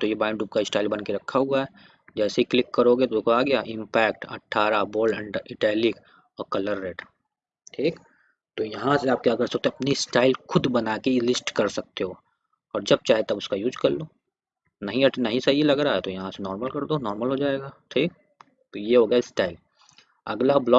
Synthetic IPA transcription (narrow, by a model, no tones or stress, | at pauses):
t̪ojebaːɪ̃ɳɖuːp̚kaɪsʈaːɪlbɐnkeɾɐkʰːaɦuaɦɛː | d͡ʒɛːseiklɪkːɐɾoːɡet̪okʰaːɡɐjaːʔɪ̃mpɛːk̚ʈɐ̰ʈʰːaːɾaboːləʈɪʈɛːlɪk | ɔːɾkɐləɾːeːʈ | ʈʰiːk | t̪ojɐɦãseaːp̚kjaːkɐɾsɐkt̪ẽɐpnisʈaːɪlxʊd̪bɐnakelɪsʈkɐɾsɐk̚t̪eɦoː | ɔːɾd͡ʒɐb̚t͡ʃaːɦet̪ɐbʊskajuːd͡ʒkɐɾloː | nɐɦĩɐʈnɐɦĩsɐɦilɐɡɾaɦɛt̪ojɐɦãsenɔːɾməlkɐɾd̪oːnɔːɾməlɦod͡ʒaːeːɡaːʈʰiːk̚ | t̪ojeɦoːɡjaɪsʈaːɪl | ɐ̰ɡlablɔː